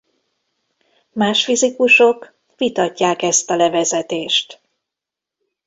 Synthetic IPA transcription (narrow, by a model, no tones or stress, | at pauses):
maːʃfizikuʃo̞k | ʋit̪ɒcːaːkɛst̪ɒlɛvɛzɛt̪eːʃt̪